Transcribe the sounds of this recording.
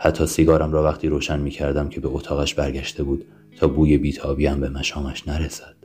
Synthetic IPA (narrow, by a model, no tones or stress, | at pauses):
hæt̪ʰːɒːsiɡɒːɾæmɾɒːvæχt̪ʰiːɾoːʃænmiːcʰæɾd̪æmcʰe̞be̞ot̪ʰɒːɣæʃbæɾɟæʃt̪e̞buːd̪̥ | t̪ʰɒːbuːje̞biːt̪ʰɒːbiːæmbe̞mæʃɒːmæʃnæɾesæd̪̥